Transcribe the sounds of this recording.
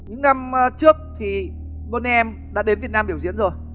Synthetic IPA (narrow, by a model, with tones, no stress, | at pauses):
ɲɨ̰˧˥ŋna˧mt͡ɕɨ˦˥ək̚t̪ʰi˨˩ | ɓo˧nɛ˧m | ɗa̰ː˧˥ɗe˨˦nvi˨˩ət̚naː˧mɓi˧˩əwzḭ˧˥ənzo˨˩j